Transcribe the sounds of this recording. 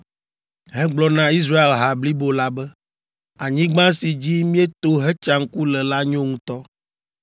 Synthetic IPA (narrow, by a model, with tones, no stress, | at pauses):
ɦɛ˦ɡ͡blɔ˦nã˦i˦s̬ɾa˦e˨lɦa˨bli˦bo˨la˦bɛ˦ | a˨ɲĩ˦ɡ͡bã˦si˨d͡ʑi˦mĩ˦e˦t̪o˦ɦɛ˦t͡ʃa˦ŋ̩˦ku˦lɛ˨la˦ɲõ˦ŋũ˦t̪ɔ˦